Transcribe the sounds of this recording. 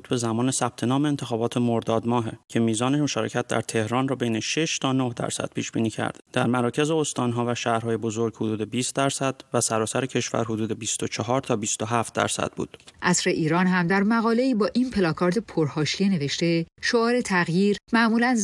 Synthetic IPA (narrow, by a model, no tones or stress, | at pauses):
t̪ʰbe̞zæmɒːnesæb̥̚t̪ʰe̞nɒːmeːnt̪ʰexɒːbɒːt̪ʰemoɾd̪ɒːd̪mɒːɦecʰe̞miːzɒːnemoʃɒːɾecʰæt̪̚d̪æ̰ɾt̪ʰe̞hɾɒːnrɒːbejne̞ʃeʃt̪ʰɒːnohd̪æ̰ɾsæ̰d̪̥̚pʰiːʃb̥ḭːniːcʰæ̰ɾd̪̥d̪æɾmæɾɒːcʰe̞zeost̪ɒːnɦɒːvæʃæːhɾhɒːjebo̞zo̞ɾɡhod̪uːd̪e̞biːst̪̚d̪æɾsæd̪̥væsæɾɒːsæɾecʰe̞ʃvæ̰ɾɦod̪uːd̪e̞bist̪ot͡ʃʰɒɦɒːɾt̪ʰɒːbist̪oɦæft̪̚d̪æ̰ɾsæ̰d̪̥̚bṵːd̪̥ʔæsɾe̞ʔiːɾɒːnɦæmd̪æɾmæɣɒːle̞iːbɒːʔinpʰe̞lɒːkʰɒːɾd̪epʰoɾhɒːʃijene̞ve̞ʃt̪e̞ʃo̞ɒːɾe̞t̪ʰæɣjiːɾmæʔmuːlæn